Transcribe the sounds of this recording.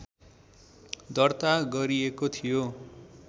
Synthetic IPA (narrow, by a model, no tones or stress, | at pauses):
d̪ʌrt̪aɡʌɾiekot̪ʰijo